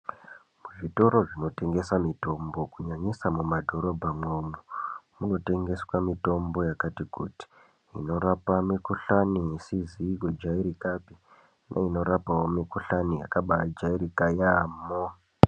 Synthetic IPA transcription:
muʐito̞ɾo̞ʐino̞te̞ŋɡe̞samito̞mbo̞kuɲaɲisamumadʱo̞ɾo̞bʱamomumuno̞te̞ŋɡe̞swamito̞mbo̞jakatikuti̥ | ḭno̞ɾapamikuɬanisiziked͡ʒaiɾikapi | nʔa̰ino̞ɾapawo̞mikuɬanija̰kaɓad͡ʒaiɾikajamo

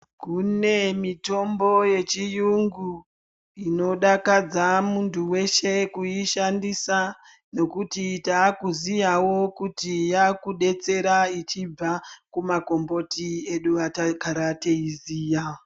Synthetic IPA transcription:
kune̞mito̞mbo̞je̞t͡ʃijuŋɡu | ino̞ɗakad͡zamuntʰuwe̞ʃe̞kuiʃandisa | no̞kutitakuzijawo̞kutijakuɗe̞t͡se̞ɾait͡ʃib͡vakumako̞mbo̞tieɗuatakaɾateiziːja

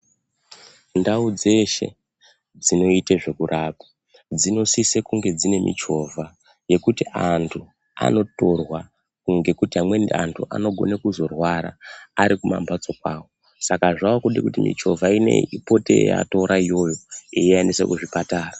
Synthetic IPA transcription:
ndaud͡ze̞ʃe̞̰ | d͡zino̞iteʐe̞kurʔaːpḁ | d͡zino̞sisekuŋɡe̞d͡zine̞mʔḭt͡ʃo̞vʱa | je̞kutiʔantʰu | a̰no̞to̞rwa | kuŋɡe̞kutiɦamwe̞nantʰuʔa̰no̞ɡʱo̞̰nekuzo̞rwaɾa̰ːɾikuma̰mbʱat͡so̞kwaːwo | sakaʐaokuɗikutimḭt͡ʃo̞vʱaine̞̰ipo̞teja̰to̞ɾʔaijo̞jo̞ijiendisḛkuʐipataːra

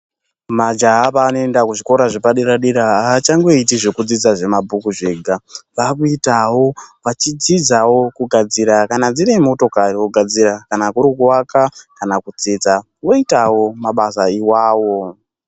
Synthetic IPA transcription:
mad͡ʒaɦapaːnoe̞ndakuʐiko̞ɾaʐepaɗiɾaɗiɾaaːt͡ʃaŋɡoitiʐe̞kud͡zid͡zaʐe̞mabʱukuʐe̞ːɡʱaʋak̬uitawo̞ʋat͡ʃid͡zid͡zawo̞kuɡʱad͡ziɾakanad͡ziɾemo̞to̞kariwoɡʱad͡zirakanakuɾikuwakakanakud͡zed͡za | wo̞itawo̞maɓasaiwaːwo̞

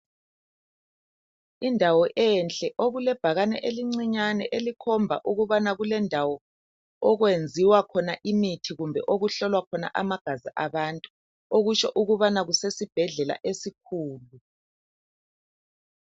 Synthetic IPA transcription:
indʱawɔʔɛnt͡ɬʼɛʔoɣulɛb̥ʱaɣanɛ̰ʔeliŋ͡ǀiɲanɛʔelikʰɔmbʱa̰ʔuɣuβanaɣulɛndʱawɔ | ɔɣwend͡zʱiwakʰɔnaʔimitʰiɣumbʱɛʔoɣuɬɔlwakʰɔna̰ʔamaɡ̥ʱaziʔaβantʼu | oɣut͡ʃɔʔuɣuβanaɣusesib̥ʱɛɮɛla̰ʔesikʰuːlu

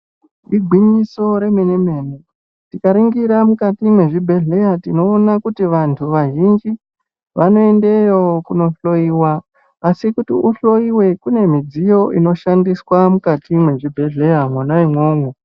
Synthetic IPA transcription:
ndiɡʱwiɲiso̞ɾe̞me̞neme̞ːne | tikaɾiŋɡiɾamukatimwe̞ʐibʱe̞ɮe̞jatino̞ːnakutiʋantʰuʋaʒind͡ʒi | ʋano̞e̞nde̞jookuno̞ɬo̞iwaː | sikutiʔuɬo̞iwe̞kune̞mid͡zijo̞ʔino̞ʃandiswamukatimwe̞ʐibʱe̞ɮe̞jamwanawemwoːŋu

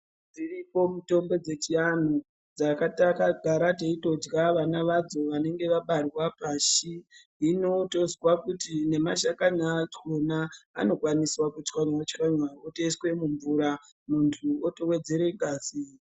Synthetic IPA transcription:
d͡ziripo̞muto̞mbo̞d͡ze̞t͡ʃian̤u | d͡zakatakaɡʱaɾateito̞d͡ʒɡaʋanaʋad͡zo̞ʋane̞ŋɡe̞ʋaɓarwapaʃi | ino̞to̞zwakutine̞maʃakaɲat͡ʃona̰ːno̞kwaniswakut͡ʃkanwat͡ʃiaɲwaoteiswe̞muɱvuɾa | muntʰuotowe̞d͡ze̞ɾe̞ɡʱaːsi

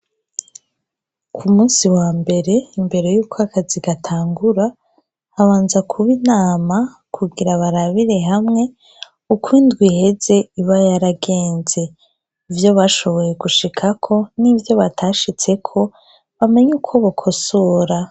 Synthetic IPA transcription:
kʰumuːnsiwaːmbe̞ɾe̞imbe̞ɾe̞juːkʰoakʰaziɡatʰaːŋɡuɾa | haβaːnzakʰuβinaːma | kʰuɡiɾaβaɾaβiɾe̞ɦamŋe̞ | ukwindɡwihe̞ze̞iβajaɾaɡe̞ːnze̞ | ivjo̞βaʃo̞βo̞je̞ɡuʃikʰakʰo̞nivjo̞βatʰaʃit͡se̞kʰo̞ | βame̞ɲukʰo̞βokʰo̞soːɾa

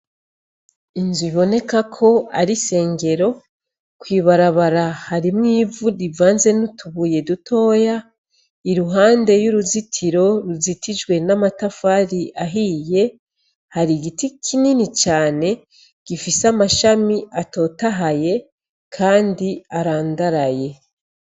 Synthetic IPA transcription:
inzwiβo̞ne̞kakʰo̞aɾise̞ːŋɡe̞ɾo̞ | kwiːβaɾaβaɾahaɾimŋiːvuɾivaːnze̞nutʰuβuːje̞dutʰo̞ːja | iɾuɦaːnde̞juɾuzitʰiɾo̞ɾuzitʰid͡ʒɡwe̞namatafaɾiʔaɦije̞ | haɾiɡitikʰininit͡ʃaːne̞ | ɡ̥ifisamaʃamiato̞ːtaɦaje̞ | kʰaːndiaɾaːndaɾaje̞

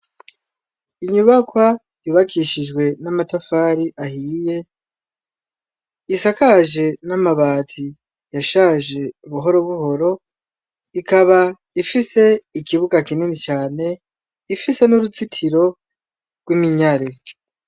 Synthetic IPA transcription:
iɲuβakwa | juβakʰiʃid͡ʒɡwe̞namatafaːɾiʔahiːje̞ | isakaʒe̞namaβaːtʰi | jaʃaːʒe̞uβuɦo̞ɾoβuho̞ɾo̞ | ikaβa | ifise̞ikiβuɡakininit͡ʃaːne̞ | ifise̞nuɾut͡sitʰiɾo̞ | ɡ̥wimiɲaɾe

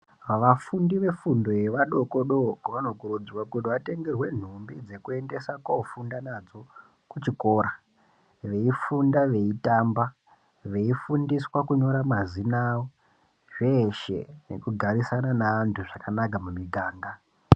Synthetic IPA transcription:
ʋaʋafundiʋe̞fundo̞eʋaɗo̞ko̞ɗo̞ʋano̞kuɾud͡ziwakutiʋate̞ŋɡe̞rwe̞n̤umbid͡ze̞kue̞nde̞sakwaufundanad͡zo̞ | kut͡ʃiko̞ːɾa | ʋe̞ifundaʋe̞itamba | ʋe̞ifundiswakuɲo̞ɾamazinawo | ʐeʃe̞̰ne̞̰kuɡʱaɾisananaːntʰuʐakanakamumiɡʱaːŋɡa

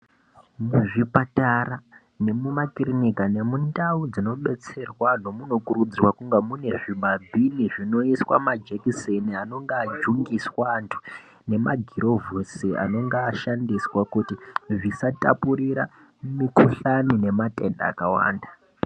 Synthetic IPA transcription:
muʐipatara | ne̞mumakrinikane̞mundaud͡zino̞ɓe̞t͡se̞rwano̞muno̞kuɾud͡zirwakuŋɡamune̞ʐiɓabʱiniʐino̞iswa̰mad͡ʒekiseniano̞ŋɡaːd͡ʒuŋɡiswaːntʰu̥ | ne̞maɡʱiɾʔo̞vusia̰no̞ŋɡaːʃandiswakutiʐisata̰puɾiɾa | mikuɬanine̞mate̞nda̰ːkawa̰ːnda

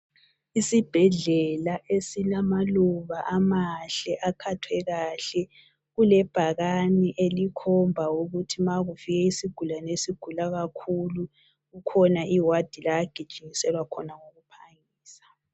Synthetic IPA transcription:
isib̥ʱɛɮɛlaʔesilamaluβaʔamaɬɛʔakʰatʰwɛɣaɬɛ | ɣulɛb̥ʱaɣaniʔelikʰɔmbʱauɣutʰimaɣufiɣɛisiɡ̥ʱulanesiɡ̥ʱulaɣakʰulu | ɣukʰɔnaʔiwad̥ʱilajaɡ̥ʱid̥ʒ̥ʱʼiŋisɛlwakʰɔnaŋoɣupʰaŋ | iːsḁ

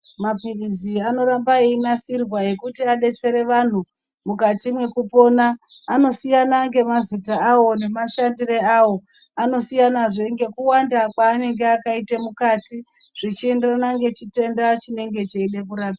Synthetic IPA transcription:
mapiriziano̞ɾambaeinasirwaje̞kutiaɗe̞t͡se̞ɾe̞ʋan̤u | mukatimwe̞kupo̞naː | no̞sijanaŋɡe̞mazitaːwo̞ne̞maʃandireawo̞ | ano̞sijanaʐe̞ŋɡe̞kuwandakwaːne̞ŋɡe̞akaitemukati | ʐ̥it͡ʃienderanaŋɡe̞t͡ʃite̞ndat͡ʃine̞ŋɡe̞t͡ʃeeɗekuɾaːpia

